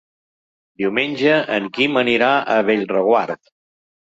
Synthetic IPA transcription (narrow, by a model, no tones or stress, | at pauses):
d̪iwmenʲd͡ʒəʔəŋkiməniɾaʔəβeʎrəɣwaɾt̪